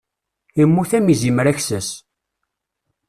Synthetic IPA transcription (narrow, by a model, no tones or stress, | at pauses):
imːuθæmizimɾæçsəs